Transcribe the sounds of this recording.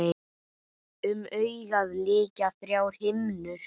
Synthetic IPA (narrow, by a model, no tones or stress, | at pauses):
ʏmœːɥɣaðlɪːcaθɾjaːwɾ̥hɪmnʏ̥